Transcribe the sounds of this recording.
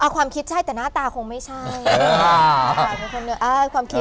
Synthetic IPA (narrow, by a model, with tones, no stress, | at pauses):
ʔa˧˩kʰwaː˧mkʰi˦˥t̪̚t͡ɕʰa˥˩jt̪ɛː˨˩naː˥˩t̪aː˧kʰo˧ŋma˥˩jt͡ɕʰa˥˩jwaː˧˩me˧˩kʰo˧nːɯ˦˥ʔaː˧kwaː˧mkʰi˦˥t̪